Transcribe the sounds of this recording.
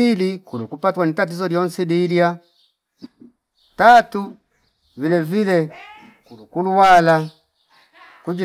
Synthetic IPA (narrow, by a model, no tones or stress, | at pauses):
ilikulukupatwanitat̬izɔljɔnsidilja | tatu | vilɛvilɛ | kulukuluwala | kud͡ʒi